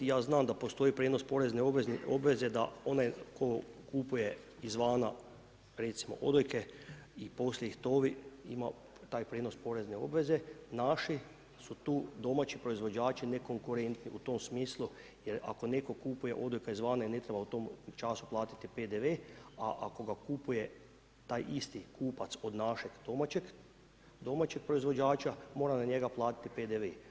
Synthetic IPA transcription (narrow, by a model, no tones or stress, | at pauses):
jaːznaːmd̪apo̞st̪o̞ipɾeno̞spo̞ɾezneobʋezno̞bʋe̞ze̞d̪a̰o̞najko̞kupuje̞ | izʋaːna̰ | ɾe̞t̪simo̞̰ʔo̞̰d̪ojke̞ipo̞sljeixt̪oʋiḭma̰ | t̪aːjpɾeːdno̞spo̞ɾe̞zneo̞̰bʋe̞ze̞naʃi | sut̪uːd̪o̞mat͡ʃipɾo̞izʋo̞d͡ʒaːt͡ʃine̞ko̞ŋkuɾe̞nt̪nḭut̪o̞msmiːslˠujeɾa̰ko̞ne̞ko̞kupuje̞̰ʔo̞d̪ojkaizʋaːnaine̞t̪ɾebaut̪o̞mt͡ʃasu̥plˠaːt̪i̥t̪iped̪eʋeaʔako̞ɡakupuje̞ | t̪aːjʔist̪ikuːpat̪so̞d̪naʃeɡd̪o̞mat͡ɕeɡ | d̪o̞mat͡ʃek̚pɾo̞izʋo̞d͡ʒaːt͡ʃamo̞ːɾanaɲe̞ɡaplˠaːt̪i̥t̪iped̪eʋe